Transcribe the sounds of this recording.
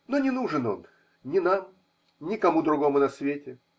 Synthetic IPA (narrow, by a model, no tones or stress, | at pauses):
no̞nʲɪnuʐɨno̞̰n | nʲɪnam | nʲɪkɐmud̪ɾʊɡo̞mʊnɐsvʲetʲɪ